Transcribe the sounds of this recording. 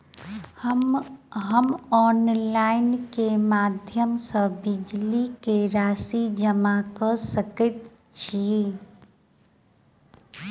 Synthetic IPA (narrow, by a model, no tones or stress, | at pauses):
ɦəmɔːnlaːɪnkemaːd̪ʱjəmsəbɪd͡ʒlikeɾaːsid͡ʒəmakəsəkət̪ | t͡ʃʰi